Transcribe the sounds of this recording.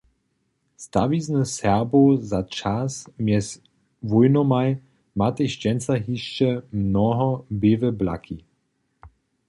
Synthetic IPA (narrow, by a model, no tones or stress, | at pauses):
st̪aviznəsɛʁbozat͡ʃasmjɛs | vujnɔmaj | mat̪əʃt͡ʃɛnt͡saɦiʃt͡ʃɛmnɔɦɔbevəbla̰kʰi